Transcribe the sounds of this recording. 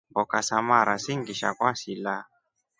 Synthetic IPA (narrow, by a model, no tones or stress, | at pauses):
bɔkasamaɾasiŋɡiʃa̰kwasila